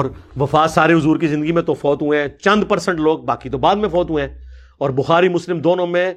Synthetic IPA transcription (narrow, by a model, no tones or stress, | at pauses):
ɔːɾʋɐfaːt̪saːɾeɦʊzuːɾkizɪ̃nd̪əɡimẽt̪ofɔːt̪ɦʊẽt͡ʃɐ̃nd̪pɐɾsə̃ɳʈloːɡ̚baːkit̪obaːd̪mẽfɔːt̪ɦuẽɛ̃ | ɔːɾbʊxaːɾimʊslɪmd̪oːnõmẽ